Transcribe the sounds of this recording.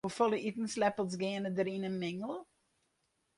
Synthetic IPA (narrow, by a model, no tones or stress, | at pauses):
ufɔlˠəitn̩slɛpəlˠsɡɪənədəɾinənmɪŋəlˠ